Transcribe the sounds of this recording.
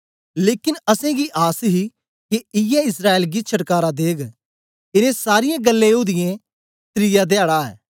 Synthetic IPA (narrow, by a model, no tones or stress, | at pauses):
leːkɪnəsɛ̃ɡiʔaːsɦi | keɪjɛɪsɾaːelɡit͡ʃʰəʈkaːɾad̪eːɡ | ɪnẽsaːɾɪjẽɡəlːẽʊd̪ɪjẽ | t̪ɾɪjad̪eaːɽaɛ̰ː